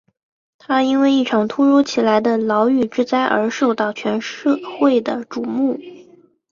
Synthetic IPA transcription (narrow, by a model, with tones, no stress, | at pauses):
t̪ʰa˥i˥nwe˥˧ɪi˥˩ʈ͡ʂʰɑ˨˩ŋt̪ʰu˥ɻu˧˥t͡ɕʰi˨˩la˧˥ɪd̪ə˧lɑ˧˥ʊy˨˩ʈ͡ʂɻ̩˥t͡sa˥ɪʔə̰˞˧˥ʂo˥˧ʊt̪ɑ˥˩ʊt͡ɕʰɥɛ˧˥nʂxwe˥˩ɪd̪ə˩ʈ͡ʂu˨˩mu˥˩